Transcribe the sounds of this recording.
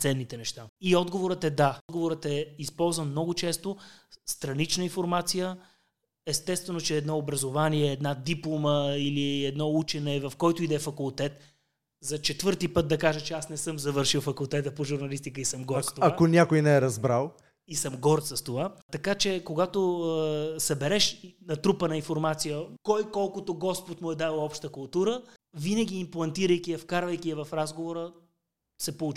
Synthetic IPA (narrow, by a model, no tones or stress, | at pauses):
t̪sɛnːit̪ɛnɛʃt̪aiɔd̪ɡovoɾət̪ɛd̪aɔd̪ɡovoɾət̪ɛispɔlˠzvənmnɔɡʊt͡ʃɛst̪ost̪ɾɐnit͡ʃnəinfoɾmat̪sijə | ɛst̪ɛst̪vɛnot͡ʃɛːd̪nɔobɾɐzovaniɛːd̪nad̪iplˠoməiliɛd̪nɔut͡ʃɛnɛvɐfkɔjt̪ʊid̪ɛfɐkʊlˠt̪ɛt̪ | zɐt͡ʃɛt̪vɤɾt̪ipɤt̪̚d̪ɐkaʒət͡ʃɛasnɛsɤmzɐvɤɾʃilˠfɐkulˠt̪ɛt̪əpoʒuɾnɐlist̪ikəisəmɡɔɾt̪st̪oaakonʲakojnɛɛɾɐzbɾalˠ | isəmɡɔɾt̪sɐst̪ovat̪ɐkat͡ʃɛkoɡat̪o | sɐbɛɾɛʃnɐt̪ɾupənɐinfoɾmat̪sijəkɔjkɔlˠkot̪oɡɔspot̪mʊɛd̪avlˠɔpʃt̪əkʊlˠt̪uɾə | vinəɡ̟ʲiːmplˠɐnt̪iɾəjk̟ʲiɐfkaɾvɐjkʲiɐvɐfɾazɡovoɾə | sɛpout͡ʃ